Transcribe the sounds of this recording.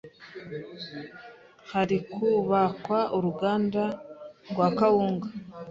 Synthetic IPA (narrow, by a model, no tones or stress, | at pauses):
haɾikuβakwaʔuɾuɡaːndaɡwaːkawuːŋɡa